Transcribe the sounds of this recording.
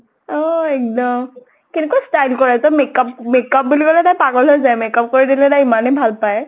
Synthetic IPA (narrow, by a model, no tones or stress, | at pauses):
ɔɛk̚dɔm | kinekwastajlkɔɹɛtɔmekapmekap̚bulikɔlɛtajpaɡɔlojzajmekɔp̚koɹidilɛtajimanɛbʱalpajɛ